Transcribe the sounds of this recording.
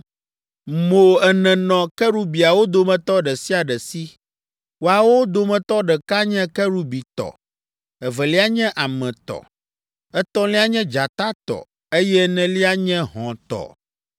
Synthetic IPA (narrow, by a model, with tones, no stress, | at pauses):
mo˨ɛ˨nɛ̃˨nɔ̃˨kɛ˦ɾu˦bi˨a˨wo˦d̪o˨mɛ̃˨t̪ɔ˦ɖɛ˨si˦a˨ɖɛ˨si˦ | wo˨a˨wo˦d̪o˦mɛ̃˨t̪ɔ˦ɖɛ˨ka˦ɲɛ̃˦kɛ˦ɾu˦bi˨t̪ɔ̰˨ | ɛ˨vɛ˨li˦a˦ɲɛ̃˦ʔa˨mɛ̃˨t̪ɔ̰˨ | ɛ˦t̪ɔ̃˦li˦a˦ɲɛ̃˦d͡ʒa˨t̪a˦t̪ɔ̰˨ | e˦jɛ˦nɛ̃˨li˦a˦ɲɛ̃˦ɦɔ̃˨t̪ɔ̰˨